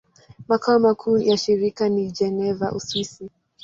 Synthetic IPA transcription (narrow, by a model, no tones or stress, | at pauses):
makaɔmakʰuːjaʃiɾikanid͡ʒɛnɛvaʔṵswisi